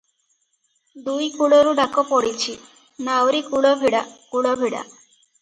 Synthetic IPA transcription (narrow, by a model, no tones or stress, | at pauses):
d̪ujkuɽoɾuɖakopɔɽit͡ɕʰi | nawɾikuɽɔbʱiɽakuɽɔbʱiɽa̰